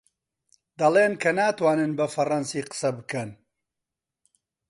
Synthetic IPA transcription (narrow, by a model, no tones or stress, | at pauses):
d̪ɐleːnkʰɐnaːt̪waːnɨnbɐfɐrɐnsiːqə̥sɐbɨkɐn